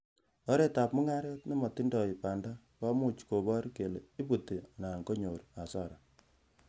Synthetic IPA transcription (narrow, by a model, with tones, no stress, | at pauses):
ɔ˦ɾe˦ta˨p̚mu˦ŋa˦ɾɛ˦tni˦mɔ˨ti˦ndɔ˨i˨pa˨nda˦ | kɔ˦mu˦t͡ʃko˨bɔ˦ɾke˨le˨i˦bu˨ti˨a˨na˨ŋko˦ɲo˨ɾa˨sɔ˦˨ɾa˨